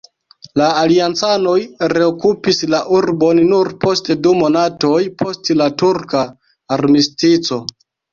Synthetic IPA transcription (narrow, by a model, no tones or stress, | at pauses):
laːliant͡sano̞jɾe̞okupislaʔuɾbo̞nːuɾpo̞stedumo̞nato̞jpʰo̞stlatuɾkaː | ɾmistit͡so̞